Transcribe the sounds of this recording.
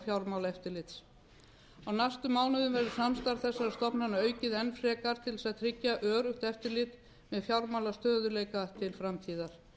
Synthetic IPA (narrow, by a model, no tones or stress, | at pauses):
fjawɾmawlaɛft̪ɪɾlɪt̪s | awnajst̪ʏmːaːwnʏðʏmvɛɾðʏ̥samst̪aɾθɛsːaɾast̪ɔpnanaœːɥcɪðɛnfɾɛːkaɾ̥t̪ʰɪlsaðt̪ʰɾɪcːaʔœːɾʏxt̪ɛft̪ɪɾlɪt̪ | mɛðfjawɾmawlast̪œːðʏleːjkat̪ʰɪlfɾamt̪ʰiːðaɾ̥